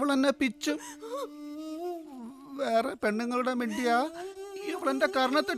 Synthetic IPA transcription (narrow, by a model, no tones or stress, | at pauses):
ʋɐɭendepit͡ɕːɨ | ʋeːrepe̞ɳːuŋːɐɭuɽemeːɳɖijaːiʋɐɭendekɐɾɐɳɐt̪ːiɽ